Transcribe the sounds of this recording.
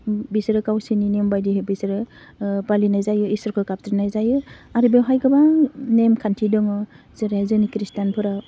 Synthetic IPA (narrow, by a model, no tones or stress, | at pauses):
bisɾɯkawsininembajdiɦebisɾɯ | palinajzajɯisɔɾkʰɯkap̚tɾinajzajɯaɾibeɦajɡɯbanemkʰantʰidɔŋɯ | zɯɾeazɯnikɾistanpʰɯɾa